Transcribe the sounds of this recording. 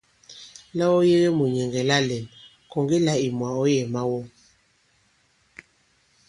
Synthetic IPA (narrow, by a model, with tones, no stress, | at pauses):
la˦ɔ˦je˦ɣe˦mu˨ɲɛ˨ŋɡɛ˨la˦lɛ˨n | kɔ˨ŋɡe˦la˦i˨mwa˨ɔ˦jɛ˨ma˦wɔ˦